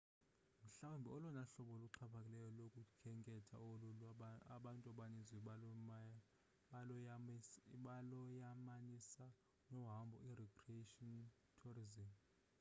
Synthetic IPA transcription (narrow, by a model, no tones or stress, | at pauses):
m̩ɬawumbʱɛɔlɔnaɬɔɓɔluǃʰapʰakʼilɛjɔlokʼukʰɛŋʼɛtʰa̰oluaɓantʼaɓanizi | ɓalɔjamanisa | nɔɦambʱɔ̰irɛkʰʼrieʃɔn | tʰurizim